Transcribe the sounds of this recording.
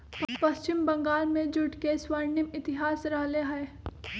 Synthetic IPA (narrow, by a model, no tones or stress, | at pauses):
pɐst͡ʃɪmbɐ̃ŋɡaːlmẽd͡ʒʊʈkeswəɾnɪmɪt̪ɪɦaːsɾɐɦleɦɛː